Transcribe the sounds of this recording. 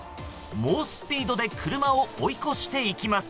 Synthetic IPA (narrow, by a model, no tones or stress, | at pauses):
moːsɨ̥pʲiːd̪o̞d̪e̞kʰɯ̟ɾɯ̟mao̞oiko̞ɕi̥t̪e̞ikʲimasɨ̥